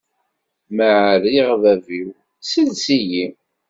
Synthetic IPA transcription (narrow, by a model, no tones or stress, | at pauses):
məʕəɾiʁvæviw | silsiji